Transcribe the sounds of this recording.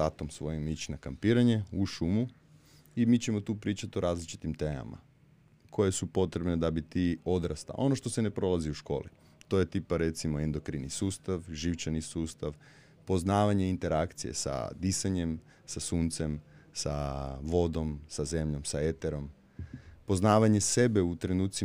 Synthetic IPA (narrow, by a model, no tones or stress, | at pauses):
at̪omsʋojimit͡ɕinakampiːɾaɲe̞uʃumu | imiːt͡ɕe̞mo̞t̪uːpɾiːt͡ʃat̪o̞ɾaːzlit͡ʃi̥t̪imt̪eːma̰ma̰ | kʰo̞je̞supo̞t̪ɾe̞bned̪abit̪io̞d̪ɾast̪a̰o̞no̞ʃt̪o̞sene̞pɾo̞lˠaziuʃko̞̰ːlḭ | t̪o̞je̞t̪ipaɾet̪simoend̪o̞kɾinisuːst̪aʋʒiʋt͡ʃanisuːst̪aʋ | po̞znaːʋaɲe̞int̪e̞ɾakt̪sijḛsa̰d̪isaɲe̞m | sasuːnt̪se̞msa̰ʋo̞d̪o̞msaze̞mʎo̞msae̞t̪eɾo̞m | po̞znaːʋaɲe̞se̞be̞ut̪ɾe̞nuːt̪si